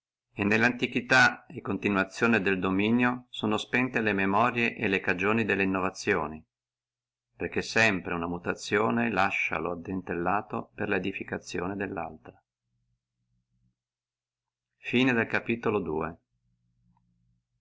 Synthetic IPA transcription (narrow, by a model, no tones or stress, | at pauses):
enːelːant̪ikit̪aekːont̪inwat̪sːjoːned̪eld̪ominjosoːnospɛnt̪elememɔɾjeʔelekad͡ʒoːnid̪elːeinːovat̪sːjoːni | perk̟esːɛmpɾeunamut̪at̪sːjoːnelaʃːa̰load̪ent̪elːaːt̪o̰perled̪ifikat̪sːjoːned̪elːa̰lt̪ɾa | fiːned̪elkapiːt̪olod̪ṵːe